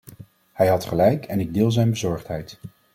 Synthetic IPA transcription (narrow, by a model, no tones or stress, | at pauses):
hɛjɦɑtχəlɛjkɛnɪɡ̚dɪːlˠzɛjnbəzɔɹχtɦɛjt